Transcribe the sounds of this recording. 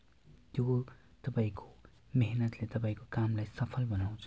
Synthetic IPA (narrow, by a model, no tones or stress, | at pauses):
t̪jot̪ʌpaĩko̥ | meɦnʌt̪let̪ʌpaĩkokamlajsʌpʰʌlbʌnaw̃t͡sʰ